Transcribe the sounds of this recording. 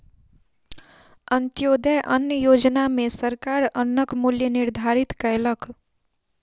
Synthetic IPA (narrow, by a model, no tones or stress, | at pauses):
ənt̪joːd̪əʔənjəjoːd͡ʒnamẽsəɾkaːɾənːəkmuljənɪɾd̪ʱaɾit̪kəjlək